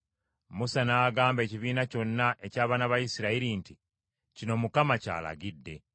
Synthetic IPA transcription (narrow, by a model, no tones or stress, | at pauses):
musanaɡaːmbe̞ːciβiːnaco̞nːaʔe̞caːβaːnaβajisiɾaiɾinti | cino̞mukamaca̰ːla̰ɡidːe̞